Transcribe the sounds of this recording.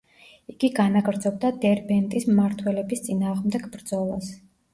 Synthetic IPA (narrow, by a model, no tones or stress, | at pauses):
iɡiɡanaɡɾd̪zɔb̚d̪ad̪ɛɾbɛnt̪ʼismmaɾt̪ʰwɛlɛbist̪sʼinaːʁmd̪ɛɡbɾd̪zɔlˠa̰s